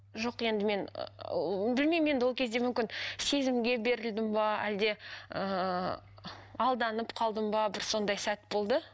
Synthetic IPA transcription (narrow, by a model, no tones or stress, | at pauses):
ʒo̞qje̞nd̪ɪme̞n̰ | bɪlme̞jmje̞nd̪ɪwolˠkʲʰe̞zd̪e̞mʏmkʲɪnse̞zɪmɡʲe̞be̞ɾɪld̪ɪmbɑæ̰ld̪e̞ə | ɑlˠd̪ɑnəpqʰɑlˠd̪əmbɑbɪɾso̞nd̪ɑjsæt̪bo̞lˠd̪ə